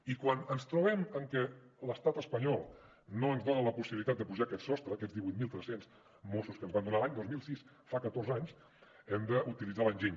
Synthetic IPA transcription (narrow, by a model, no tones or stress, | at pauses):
ikwanənst̪ɾuβɛməŋkɛləst̪at̪əspəɲɔlˠ | noənzðonələpusiβilit̪at̪d̪əpuʒakɛt̪sɔst̪ɾəːkɛdzd̪iβujt̪̚milˠt̪ɾɛsenz | mosuskənzβand̪unaəlˠaɲd̪ozmilˠsis | fakət̪orzaɲs | ɛmd̪əʔut̪ilidd͡zalənʲʒeɲ